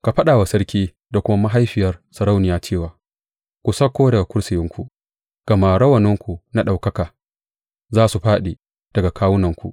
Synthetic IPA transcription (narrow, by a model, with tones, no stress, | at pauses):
ka˨ɸɐ˦ɗaː˨wa˨sɐ˦ɽkʲiː˦ | da˨kʷʊ˦ma˦ma˦ɦa˦jɸɪ˨jɐ˦rsɐ˨ɾa˦wnɪ˨jaː˦t͡ʃeː˦˨waː˨ | kʷu˨sɐ˦kʷːoː˦dɐ˨ɡa˨kʷʊ˦ɽsɪ˨jɪ˦ŋkʷu˨ | ɡ̥ɐ˨maː˨ɽɐ˦wɐ˨nɪ˦ŋkʷu˨na˦ɗa˨wkɐ˦kaː˨ | zaː˦su˨ɸaː˦ɗeː˨ | d̥ɐ˨ɡa˨kaː˦wʊ˦nɐ˨ŋkʷṵ˨ʔ